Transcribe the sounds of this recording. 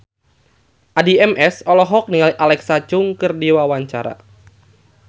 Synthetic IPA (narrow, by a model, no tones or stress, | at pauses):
ʔadiɛmɛsɔlɔɦɔk̚niŋaliʔalɛksat͡ʃʊŋkɨrdiwawaɲt͡ʃa̰ɾa̰